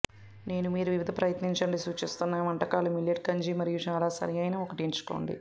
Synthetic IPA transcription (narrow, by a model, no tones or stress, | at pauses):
ne̞ːnumiːɾuʋiʋid̪ʱɐpɾɐjɐt̪niɲt͡ʃɐɳɖisuːt͡ʃist̪unːaːʋɐɳʈɐkaːlumiljɐʈ̚kɐɲd͡ʒiːmɐɾijut͡ʃaːlaːsɐ̰ɾijɐjnaːɔkɐʈiɲt͡ʃu̥ko̞̰ːɳɖḭ